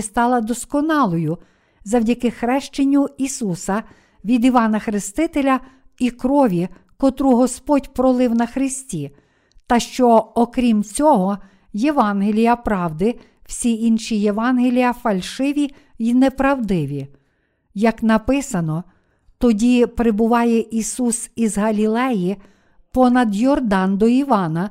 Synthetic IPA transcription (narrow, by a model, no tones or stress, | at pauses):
st̪ɑlˠɐd̪ɔskɔnɑlˠɔjʊ | zɐwdʲɐkɪxɾɛʃt͡ʃenʲːuisusɐ | ʋʲid̪iʋɑnɐxɾɪst̪ɪt̪elʲɐ | ikɾɔʋʲi | kɔt̪ɾuɦɔspɔdʲpɾɔlˠɪwnɐxɾɪsʲtʲi | t̪ɐʃt͡ʃɔɔkɾʲimt͡sʲɔɦɔ | jeʋɑnɦelʲijɐpɾɑwd̪ɪ | w̥sʲiinʃijeʋɑnɦelʲijɐfɐlʲʃɪʋʲi | inepɾɐwd̪ɪʋʲi | jɐknɐpɪsɐnɔ | t̪ɔdʲipɾɪbʊʋɑjɛʔisusizɦɐlʲilˠɛji | pɔnɐd̪jɔrd̪ɑnd̪ɔiʋɑnɐ